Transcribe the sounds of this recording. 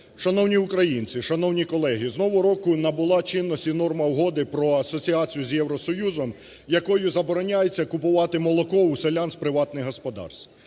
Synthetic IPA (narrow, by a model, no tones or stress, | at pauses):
ʃɐnɔwnʲiʊkɾɐjinʲt͡sʲɪʃɐnɔwnʲikɔlˠɛɦʲiznɔʋɔɾɔkʊnɐbʊlˠɑt͡ʃɪnːɔsʲtʲinɔrmɐwɦɔd̪ɪpɾɔɐsɔt͡sʲiat͡sʲijʊzʲjɛwɾɔsɔjuzɔm | jɐkɔjʊzɐbɔɾɔnʲajet͡sʲːɐkʊpʊʋɑt̪ɪmɔlˠɔkɔʊselʲanspɾɪʋɑt̪nɪɦɔspɔd̪ɑ̰rst̪